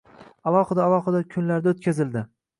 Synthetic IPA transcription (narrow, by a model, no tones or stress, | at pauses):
alˠɒχɨd̪aːlˠɒχɨd̪akʲʰʊnlaɾd̪aot̪̚kʲazɪld̪ɪ